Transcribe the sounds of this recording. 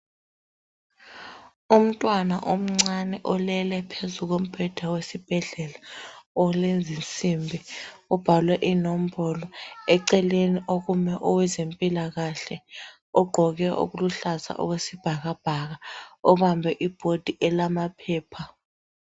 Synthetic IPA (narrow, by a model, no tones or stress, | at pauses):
um̩tʼwanaʔom̩ŋ͡ǀanɛʔɔlɛlɛpʰezuk̬om̩b̥ʱɛd̥ʱawesib̥ʱɛɮɛlaɔlend͡zʱint͡sʼimbʱiɔb̥ʱalwɛʔinom̩bɔlɔɛǀɛleniʔok̬umɛʔɔwɛzempʼilaɣaɬɛ | ɔɡ͡ǃʱɔɣ̬ɛʔo̰k̬uluɬaza̰ʔɔ̰wesib̥ʱaɣ̬ab̥ʱaɣ̬aɔɓambʱɛʔib̥ʱod̥ʱiʔɛlamapʰɛːpʰa